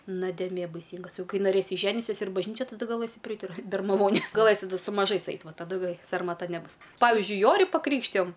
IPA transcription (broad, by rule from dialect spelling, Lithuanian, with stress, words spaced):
noːdʲeːˈmʲeː bɐɪˈsʲiːŋɡɐs ˈjɛʊ ˈkɐɪ nɐˈrʲeːsʲɪ ˈʒʲæːnʲɪsʲiɛs ɪr bɐʒʲˈnʲiːt͡ʃʲɛ tɐˈdɐ ɡɐˈlˠɘsʲɪ pʲrʲɪˈɐɪt ɪr bʲɛrmɐˈʋoːnʲeː ɡɐˈlˠɘsʲɪ sʊ mɐˈʒɐɪs ˈɐɪt ˈʋɐ tɐˈdʊ ˈɡɐɪ sɐrmɐˈtɐ nʲɛˈbʊs ˈpɑːʋʲɪzʲd͡ʒʲʊɪ ˈjoːrʲɪ pɐˈkrʲiːkʃʲtʲɪjoːm